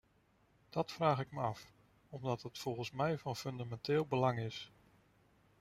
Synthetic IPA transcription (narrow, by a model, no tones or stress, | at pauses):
d̥ɑtfraːχɪkməɑf | ɔmdɑtɦətfɔlˠχənsmɛjvɑnfɵndamɛntɪːlˠbəlɑŋɪs